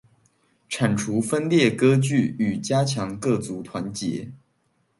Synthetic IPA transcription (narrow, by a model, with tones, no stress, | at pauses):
ʈ͡ʂʰa˨˩nʈ͡ʂʰu˧˥fə˥nljɛ˥˩kɤ˥t͡ɕy˥˩y˨˩t͡ɕja˥t͡ɕʰjɑ˧˥ŋkɤ˥˩t͡su˧˥t̪ʰwa˧˥nt͡ɕjɛ̰˧˥